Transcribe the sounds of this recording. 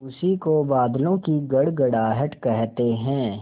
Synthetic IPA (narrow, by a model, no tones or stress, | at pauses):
ʊsikobaːd̪lõkiɡɐɽɡɐɽaːɦəʈkɛɦt̪eɦɛ̃ː